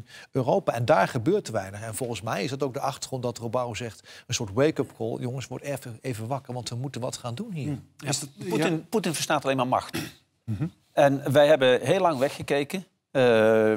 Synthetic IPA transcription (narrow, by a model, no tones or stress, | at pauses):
øːrowpaːɛndaːɹχəbøːɹtʋɛjnəχɛnv̥ɔlˠχənsmɛjɪsdɑtowk̚dəʔɑχtəɹχrɔntdɑtrobawzɛχtənsʊːɹtwejkəpkɔlˠjɔŋəsʋɔɹtɛɹfəejvənʋɑkəɹʋɑntʋəmutənʋɑtχaːndunɦiːɹ | putɪnvəɹstaːtɑlejmaːɹmɑ̰χt | ɛnʋɛjɦɛbəɦeːlɑŋʋɛχːəkejkə